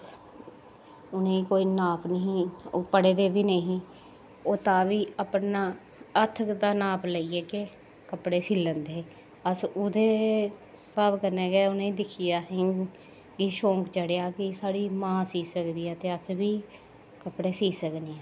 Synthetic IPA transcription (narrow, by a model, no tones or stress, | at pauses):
ʊnẽːikoːiːnaːpʰnəɦĩːoːpəɽeːd̪eːbiːnəɦĩː | oːt̪ãːʋiːəpnaː | ət̪ʰd̪aːnaːpləiːɛːke | kəpɽeːsiːlə̃nd̪eː | əsʊd̪eː | saːbkəɾnɛːɡɛːʊnẽːiːd̪ɪkʰijaːɦẽ | kɪʃõːŋkt͡ʃəɽejaːkɪsaːɽiːmãːsiːsəkd̪iːɛːt̪eːəsʋiː | kəpɽeːsiːsəkneːɛː